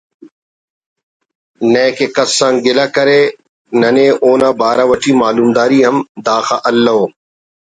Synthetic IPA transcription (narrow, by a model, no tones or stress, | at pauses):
nẽːkʰeːkəsːãːŋɡɪlaːkəɾeː | nənẽːʔoːnãːbaːɾãːʋəʈʰiːmaːluːmd̪aːɾiːɦəmd̪aːxaːʔəlːɐɦoː